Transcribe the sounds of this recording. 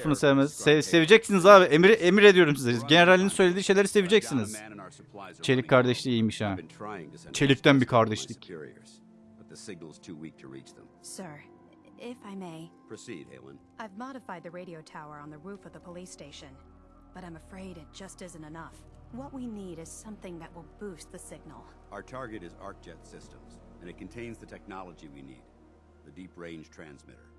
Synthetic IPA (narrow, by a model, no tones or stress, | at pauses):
fɯnɯsevmɛz̥sese̞vid͡ʒɛcsinizaːbiʔemiɾʔemiɾe̞d̪ijo̞ɾumsizeizɟe̞neɾalʲːinisøjlʲed̪iːʃe̞jlʲeɾise̞vid͡ʒɛcsinizə˞səpʰl̥azt͡ʃʰe̞lʲickʰːaɾd̪ɛʃlˠiijmiʃaːntʰɹ̥a̰ɪɪ̰̃ŋt͡ʃʰe̞lʲic̚t̪ænbikʰaɾd̪ɛʃt̪ˠikɹ̰ | bʌt̪̚ðəsɪɡ̚nl̩ˠz̥tʰuwḭk̚tʰəɹḭt͡ʃðə̰̃msɜ˞ | ɪfaɪmeɪpʰɹ̥əsḭd̚hḛɪlˠə̰̃nʔaɪvmɑɾɨfaɪd̪̚ðɨɹeɪɾioʊtʰaʊə˞ə̃nðɨɹufʌvðəpʰəlisteɪʃɨ̃n | b̥ʌɾãɪ̃mɨfɹeɪɾɨt̚d̥ʒ̥ʌstɪzɨ̃ntɨnʌf | wʌʔ̚winiɾɨz̥sʌ̃mθɪ̃ŋðɨʔ̚wəlˠbust̪̚ðɨsɪɡ̚nl̩ˠ | aʊə˞tʰɑɹɡɨɾɨzɑ̰ɹk̚d̥ʒ̥ɛtsɪstə̃mz̥ɨ̃nɨt̚kʰɨ̃n̩tʰẽɪ̃nzðɨtʰɛk̚nɑlˠəd͡ʒiwḭnḭd̪̚ | ðɨdipɹẽɪ̃nʒ̥tʰɹ̥æ̰̃nzmɪ̰ɾə̰˞